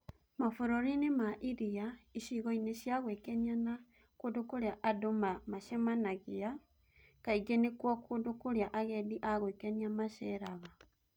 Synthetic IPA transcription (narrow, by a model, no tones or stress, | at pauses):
mafuɾoɾinemaʔiɾiaiʃiɣoineʃjaɣwekenana | kodokoɾeaʔadomamaʃemanaɣia | kaiɡenekwakodokoɾeaʔaɣediʔaɣwekeniamaʃɛɾaɣa